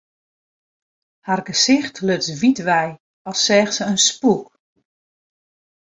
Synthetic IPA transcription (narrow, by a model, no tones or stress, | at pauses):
harɡəsɪxtʰløtsʋitʋɛj | ɔsːɛːxsəənspuk